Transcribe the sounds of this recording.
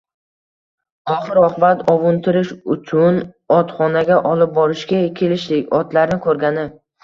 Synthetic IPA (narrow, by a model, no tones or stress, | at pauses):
ɒχɨɾɒhbat̪ʰɒvʊnt̪ʰɪɾɪʃʊt͡ʃʰʊn | ɒt̪χɒnaɡʲaʔɒlɪp̚bɒɾɪʃkʲakʲʰe̞lɪʃd̪ɪkʲɒt̪laɾnɪkʰɵɾɡʲanɪ